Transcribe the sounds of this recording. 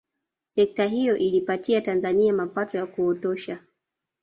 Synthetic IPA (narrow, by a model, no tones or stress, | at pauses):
sɛk̚taɦijɔʔilipatiatanzaniamapatɔjakuɔtɔʃa